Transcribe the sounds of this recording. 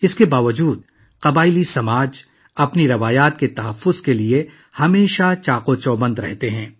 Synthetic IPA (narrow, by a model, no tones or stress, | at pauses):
ɪskebaːʋəd͡ʒuːd̪ | qɐbaːɪlisɐmaːd͡ʒ | ɐpniɾɐʋaːjaːt̪̚ket̪ɐɦɐfːʊzkelie | hɐmeːʃat͡ʃaːqot͡ʃoːbə̃nd̪ɾɛ̰ɦt̪eɦɛ̃ː